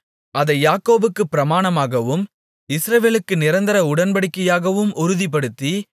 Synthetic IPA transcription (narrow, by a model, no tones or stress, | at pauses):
ɐðɐɪjaːkːoːbɯkːɯpːɪɾɐmaːnɐmaːɣɐʋɯm | ɪsɾɐʋeːlɯkːɯnɪɾɐnd̪ɪɾɐʊɽɐnbɐɽɪkːɐjaːɣɐʋɯmʊɾɯðip̬ːɐɽɯt̪ːi